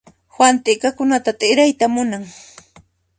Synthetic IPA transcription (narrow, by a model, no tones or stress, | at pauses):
hwant̪ɪkakʊnat̪at̪ɪɾajt̪amʊnaŋ